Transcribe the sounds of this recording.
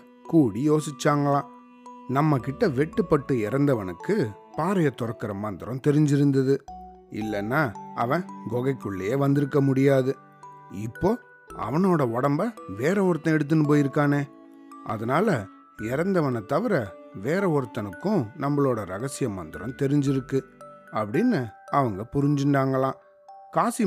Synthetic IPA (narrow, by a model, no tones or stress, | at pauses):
kuːɽijoːsɪt͡ʃːaːŋɡɐɭãː | nɐmːɐkɪʈːɐʋɛʈːɯpːɐʈːɯɪɾɐnd̪ɐʋɐnɯkːɯ | paːɾɐjɐt̪ːɔɾɐkːɪɾɐmːɐnd̪ɪɾɐ̃t̪ɛɾɪɲd͡ʒɪɾɯnd̪ɐðɯ | ɪ̰lːɛnːaːɐʋɐ̃ɡɔɣɐɪkːʊɭːɐjeːʋɐnd̪ɪɾɯkːɐmʊɽɪjaːðɯ | ɪpːoː | ɐ̰ʋɐnoːɽɐɔɽɐmbɐʋeːɾɐɔɾɯt̪ːɐ̃ɛɽɯt̪̬ːɯnɯp̬oːjɪɾɯkːaːneː | ɐ̰ðɐnaːlɐ | ɪɾɐnd̪ɐʋɐnɐt̪ɐʋɪɾɐ | ʋeːɾɐɔɾɯt̪ːɐnɯkːʊ̃nɐmːɐɭoːɽɐɾɐɣɐsɪjɐmɐnd̪ɪɾɐ̃mt̪ɛɾɪɲd͡ʒɪɾɯkːɯɐpːɐɽɪnːɯɐʋɐŋɡɐpʊɾɪɲd͡ʒɪɳɖaːŋɡɐlãː | kaːsi